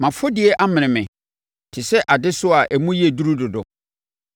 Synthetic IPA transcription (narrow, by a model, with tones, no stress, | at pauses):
mã˨fʊ˦dɪ˨ɛ˦ʔa˦mɪ̃˨ñɪ̃˨mɪ̃˨ | tʰɪ˨sɛ˦ʔa˨dɪ˦sʊ˦a˨ʔæ˨mũ˦ji˦e˨du˦ɾu˦dʊ˨dʊ̰˨